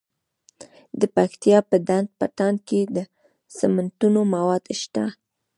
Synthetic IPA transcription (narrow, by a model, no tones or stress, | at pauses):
d̪əpaxt̪ijɑpəd̪and̪̚paʈɑnked̪ə | samant̪unomawɑd̪ʃt̪a